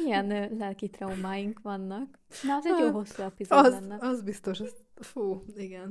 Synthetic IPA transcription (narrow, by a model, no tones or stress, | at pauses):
ijɛnlɛlkit̪rɒumaːjiŋkʋɒnːɒk | nɛɒzɛjolɦo̞sːuɛpizozɛnːɛɒzbist̪oʃɔzfuːiɡɛn